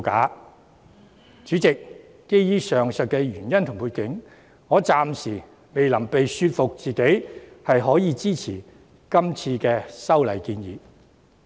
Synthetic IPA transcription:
ka̰ː˨˥ | t͡syː˨˥t͡sɪ˨k̚ː | e˥jjiː˥sœː˨ŋsœ˨˩t̚kɛː˧ɥyː˨˩njɐ˥nt̪ʰʊ˨˩ŋpʰuː˧tkɪ˨˥ŋ | ŋɔː˨˧t͡saː˨˧msiː˨˩ | me˨jlɐ˨˩mpe˨jsyː˧t̚fʊ˨k̚t͡siː˨ke˨˥jhɐ˨jɦɔː˨˥jiː˨˧t͡siː˥t͡sʰiː˨˩ | kɐ˥mt͡sʰiː˧kɛː˧sɐ˥wlɐ˨˩jkiː˧njiː˨˥

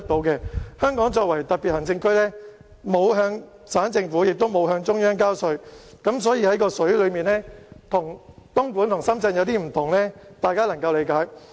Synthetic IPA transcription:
t̚t̪o˨˥wkɛ˧hœː˥ŋkɔː˨˥ŋt͡sɔː˧k̚wɐ˨˩jt̪ɐ˨t̚pi˨t̚hɐ˨˩nt͡sɪ˧ŋkʰɵ˥ɥlɛː˥ | mo˨˧wɦœː˧ŋ | saː˨˥nt͡sɪ˧ŋfuː˨˥jɪ˨k̚t̪o˥wmo˨˧wɦœː˧ŋt͡sʊ˥ŋjœː˥ŋkaː˥wsɵ˧ɥkɐ˨˥msɔː˨˥jiː˧hɐ˨˥jkɔː˧sɵ˨˥ɥlɵ˨˧ɥmiː˨˩nlɛː˥t̪ʰʊ˨˩ŋt̪ʊ˥ŋkuː˨˥nt̪ʰʊ˨˩ŋsɐ˥mt͡sɐ˧ŋjɐ˨˧wt̪iː˥m̩˨˩t̪ʰʊ˨˩ŋlɛː˥t̪aː˨˧jkaː˥lɐ˨˩ŋkɐ˧wle˨˧jkaː˨˥j

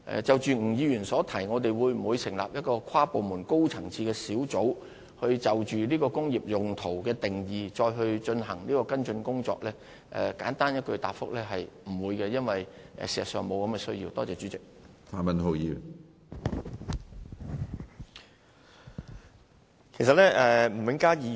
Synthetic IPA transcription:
ʔɛ̰˨t͡sɐ˨wt͡ʃyː˨˩ŋ̩˨˩jiː˨˧jyː˨˩nsɔː˨˥t̪ʰɐ˨˩jŋɔː˨˧t̪e˨jwuː˨˧jm̩˨˩uː˨˧jsɪ˨˩ŋla̰ː˨p̚jɐ˥t̚kɔː˧kʰaː˥po˨wmuː˨˩nko˥wt͡sʰɐ˨˩ŋt͡sʰiː˧kɛː˧siː˨˥wt͡so˨˥w | hɵ˧ɥt͡sɐ˨wt͡ʃyː˨liː˥kɔː˧kʊ˥ŋjiː˨p̚jʊ˨ŋt̪ʰo˨˩wkɛː˧t̪ɪ˨ŋjiː˨˧t͡ʃɔː˧jɦɵ˧ɥt͡ʃɵ˧nɦɐ˨˩ŋliː˥kɔː˧kɐ˥nt͡ʃɵ˧nkʊ˥ŋt͡sɔ̰ː˧k̚lɛː˥ | ʔɛ̰˨˩kaː˨˥nt̪aː˥njɐ˥t̚kɵ˧ɥt̪a̰ː˨˩p̚fʊ̰˥k̚lɛː˥ɦɐ˨jm̩˨˩wuː˨˧jkɛ˧jɐ˥nwɐ˨˩jʔɛ̰˨siː˨˩sɐ˨˩tsœː˨ŋmo˨˧wkɐ˨˥mkɛ˧sɵ˥ɥjiː˧wt̪ɔː˥t͡sɛː˨˩t͡ʃyː˨˥t͡sɪ˨k̚t̪ʰaː˨˧mɐ˨nɦo˨˧jiː˨˧ | kʰe˨˩s̬ɐ˨t̚lɛ˥ʔɛː˨m̩˨˩mɪ˨˥ŋkaː˥i˧

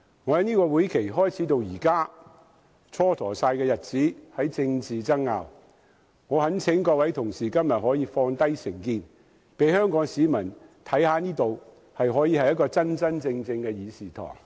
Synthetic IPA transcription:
ŋɔː˨˧hɐ˨˥niː˥kɔː˧wuː˨˥jkʰe˨˩jɦɔː˥jt͡sʰiː˨˥t̪̬o˧wjiː˨˩kaː˥ | t͡sʰɔː˥t̪ʰɔː˨˩saː˧jkɛː˧jɐ˨t̚t͡siː˨˥hɐ˨˥jt͡sɪ˧ŋt͡siː˨t͡sɐ˥ŋŋa̰ː˨w | ŋɔː˨˧hɐ˨˥nt͡sʰɪ˨˥ŋkɔː˧wɐ˨˥jt̪ʰʊ˨˩ŋsiː˨˩kɐ˥mjɐ˨t̚hɔː˨˥jiː˨˧fɔː˧ŋt̪ɐ˥jsɪ˨˩ŋkiː˧n | pe˨˥jhœː˥ŋkɔː˨˥ŋsiː˨˧mɐ˨˩nt̪ʰɐ˨˥jhaː˨˧niː˥t̪o˨w | hɐ˨jɦɔː˨˥jiː˧hɐ˨jɐ˥t̚kɔː˧t͡sɐ˥nt͡sɐ˥nt͡sɪ˧ŋt͡sɪ˧ŋkɛː˧jiː˨˧siː˨t̪ʰɔ̰ː˨˩ŋ

